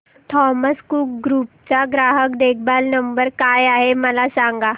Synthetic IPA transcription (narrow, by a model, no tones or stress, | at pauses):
t̪ʰɔːməskuːk̚ɡɾuːp̚t͡ʃaɡɾaːɦəkd̪eːk̚ʰbaːlnəmbəɾkaːjaːɦemɐlasãːŋɡaː